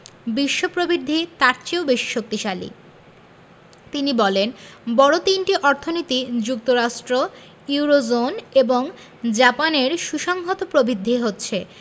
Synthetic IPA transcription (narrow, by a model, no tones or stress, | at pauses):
biʃːopɾobid̪ʱːit̪aɾt͡ɕeobeʃi̥ʃok̚t̪iʃalḭ | t̪inibɔlenbɔɽot̪inʈiʔɔɾt̪ʰonit̪id͡ʑuk̚t̪oɾaʃʈɾo | iuɾod͡ʑoneboŋ | d͡ʑapaneɾʃuʃɔŋɡʱot̪opɾobʱid̪ʱːiɦotːɕʰe